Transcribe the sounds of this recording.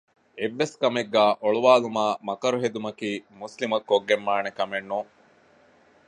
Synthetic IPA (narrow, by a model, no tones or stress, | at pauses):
eʋːeskɐmeɡːæːʔoɭuʋaːlumaːmɐkɐɾuɦed̪umɐkiːmuslimɐkːoɡːemːaːnekɐmenːuŋ